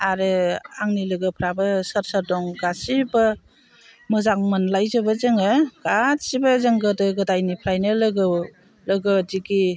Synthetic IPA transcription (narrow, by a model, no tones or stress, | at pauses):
aɾɯaŋnilɯɡɯpʰɾabɐsəɾsəɾdɔŋɡasibɐ | mɯzaŋmɯnlajzɯbɐzɯŋɯɡ̥asibazəŋɡɯdɯɡɯdajnipʰɾajnɯlɯɡɯ | lɯɡɯdiɡi